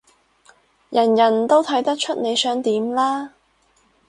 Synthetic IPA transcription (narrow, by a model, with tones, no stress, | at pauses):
jɐ˨˩njɐ˨˩nt̪o˥wt̪ʰɐ˨˥jt̪ɐ˥k̚t͡ʃʰɵ˥t̚ne˨˧jsœː˨˥ŋt̪iː˨˥mlaː˥